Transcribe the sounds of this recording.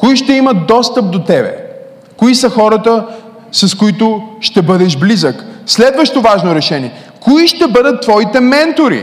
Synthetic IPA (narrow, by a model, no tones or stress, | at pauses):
koiʃt̪ɛimət̪̚d̪ɔst̪əp̚d̪ot̪ɛbɛ̰ | koisəxɔɾət̪ə | sɐskoit̪ʊʃt̪ɛbɤd̪ɛʃblizəkslɛd̪vəʃt̪ovaʒnoɾɛʃɛniɛ | koiʃt̪ɛbɤd̪ət̪ːvɔit̪ɛmɛnt̪oɾḭ